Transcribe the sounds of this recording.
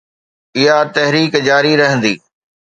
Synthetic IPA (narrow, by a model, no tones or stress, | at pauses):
ɪɦat̪ɐɦɾiːkd͡ʑaːɾiɾɐɦə̃nd̪iː